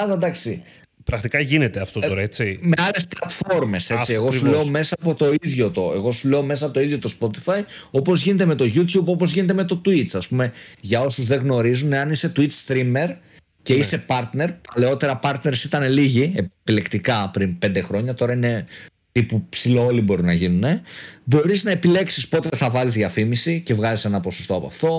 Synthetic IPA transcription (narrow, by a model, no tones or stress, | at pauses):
ɐðɐd̪ɐksi | pɾɐkt̪ikɐʝinet̪eɐft̪ot̪oɾɐet͡sime̞ɐle̞splɐt̪fo̞ɾme̞se̞sieɣo̞suleome̞sɐːpo̞t̪o̞iðʝo̞t̪o̞e̞ɣo̞sule̞o̞me̞s̬ɐpot̪oiðʝot̪o̞spo̞t̪i̥fɐj | o̞po̞zʝine̞t̪e̞me̞t̪o̞ʝut̪çubo̞po̞zʝinet̪̬eme̞t̪o̞t̪uit͡sɐspumeʝɐo̞suzðe̞ɣno̞ɾizune̞ɐnise̞t̪uit͡sst̪ɾime̞ɾ | ce̞ise̞pɐɾt̪ne̞ɾpɐle̞o̞t̪e̞ɾɐpɐɾt̪ne̞ɾsit̪ɐne̞liʝiepile̞kt̪ikɐpɾinpe̞nd̪e̞xɾo̞ɲɐt̪o̞ɾɐine̞ | t̪ipupsilo̞olibo̞ɾunɐʝinune̞bo̞ɾiznɐe̞pile̞ksispo̞t̪eeθɐvɐzizðiɐfimisice̞vɣɐzise̞nɐposo̞st̪o̞ɐpɐ̰ft̪o̞